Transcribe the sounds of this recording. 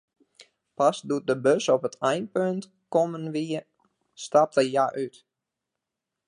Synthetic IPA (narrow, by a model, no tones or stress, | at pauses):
pasdut̚dəbøsopətʰɛjnpønt | komənʋiə | stap̚təjaʔyt